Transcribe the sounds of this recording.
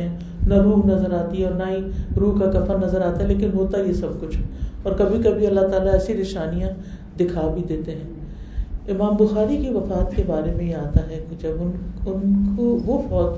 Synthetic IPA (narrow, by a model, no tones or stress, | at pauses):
ɛ̃ | nɐɾuːmnɐzəɾaːt̪iɦɛ̃ɔːɾnaɦĩɾuːkakɐfəɾnɐzəɾaːt̪aɦɛleːk̬ɪnɦoːt̪ajesɐb̚kʊt͡ʃʰɦɛɔːɾkɐbʱikɐbʱiɐlːaɦt̪aːlaɛːsinɪʃaːnijã | d̪ɪkʰaːbʱid̪eːt̪eɦɛ̃ː | ɪmaːmbʊxaːɾikiʋɐfaːt̪kebaːɾemẽjeaːt̪aɦɛked͡ʒɐbʊnʊnkoʋofɔːt̪